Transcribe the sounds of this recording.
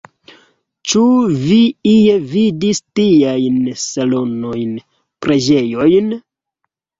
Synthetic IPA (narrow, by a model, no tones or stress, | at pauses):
t͡ʃuviijevidistiajnsalo̞no̞jn | pɾʔe̞d͡ʒe̞jo̞jn